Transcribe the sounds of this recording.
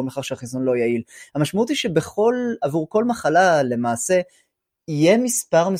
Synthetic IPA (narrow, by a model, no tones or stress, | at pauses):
meχaʁʃeaχizonlo̞jailhamaʃmaut̪iʃebe̞χo̞lavuʁko̞lmaχalale̞maːse̞ | ije̞mispaʁme